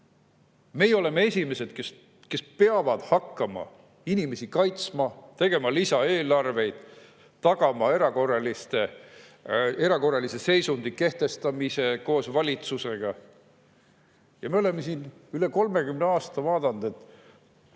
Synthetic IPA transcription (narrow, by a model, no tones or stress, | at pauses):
me̞jeo̞le̞mee̞sʲime̞se̞d̪̥kes | ke̞speɑvɑd̪̥hɑkˑːɑmɑ̰ | inime̞sikɑjt̪smɑt̪e̞ɡ̥e̞mɑlisɑe̞ːlɑrve̞jd̪̥ | t̪ːɑɡ̥ɑmɑe̞ɾɑko̞rːɑlist̪e̞ | e̞ɾɑko̞rːɑlise̞se̞jsund̪̥ike̞ht̪e̞st̪ɑmise̞ko̞ːsvɑlʲit̪suse̞ɡ̥ɑ | jɑmeo̞le̞mːesinyle̞ko̞lme̞ɡymneɑːst̪ɑvɑːd̪ɑnd̪̥e̞t̪ːˑ